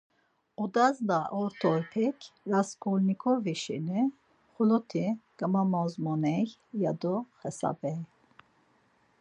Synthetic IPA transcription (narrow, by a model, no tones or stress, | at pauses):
ɔd̪azlaʔɔɾt̪ʰɔɾpʰɛkʰɾaskʰɔlnikʰɔviʃḭni | χulɔt̪ʰiɡ̥amamɔzmɔnɛjjad̪ɔxɛsa̰bɛj